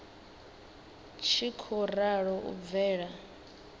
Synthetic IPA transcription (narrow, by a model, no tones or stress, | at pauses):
t͡ʃʰikʰɔraɺɔʔṵb̪vɛːɺa